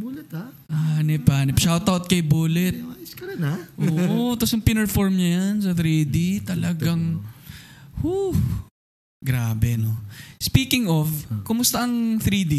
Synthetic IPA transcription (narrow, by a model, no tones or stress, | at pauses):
bulɛt̪aʔanɛpanɛpʃawt̪awt̪̚kɐjbuːlɛt̪̚skɐɐnaʔoːʔot̪ɐsjɐŋpɪnɛɹfoɹmɲɐjans̬ɐθɾiːd̪it̪ɐlɐɡaŋ | hu | ɡɾaːbɛnospiːkɪŋʔofkʊmʊst̪ɐʔɐŋθɾiːd̪i